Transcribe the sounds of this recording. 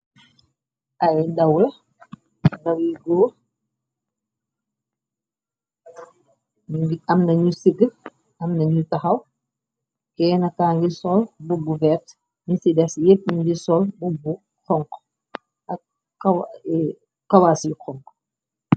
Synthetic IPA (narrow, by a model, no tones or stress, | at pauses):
ʔɐjdɐwlɐ | dɐwjiɡɔː | ɡiɐmnɐɲusiɡə | ɐmnɐɲutɐxɐw | kɛːnɐkːaːŋɡisɔlbubuvɛːt | nisidɛsjep̚ɲuɲɡisɔlbubu | xɔŋk | ɐk | aw | kɐwasikɔŋk